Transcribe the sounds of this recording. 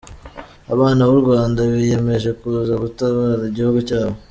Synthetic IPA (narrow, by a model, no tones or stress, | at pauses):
aβaːnawuɾɡwaːndaβije̞me̞ʒe̞kuːzaɡutaβaːɾaiɟihuɡucaːβo̞